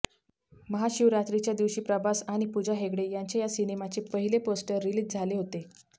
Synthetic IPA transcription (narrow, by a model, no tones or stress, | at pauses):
məɦaɕiʋɾat̪ɾit͡ɕjad̪iʋɕiːpɾəbasaɽ̃ipud͡ʑaɦeɡɽejaɲt͡ɕejasinemat͡ɕepəɦileposʈəɾːiliːd͡ʑd͡zʱaleɦot̪e